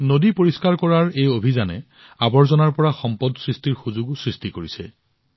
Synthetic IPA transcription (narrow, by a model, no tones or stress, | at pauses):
nodipoɹiskaɹkɔɹaɹejobʱizanɛ̰ | abɔɹzɔnaɹpɔɹaxɔmpɔdsɹistiɹxuzuɡʊsɹistikoɹisɛ̰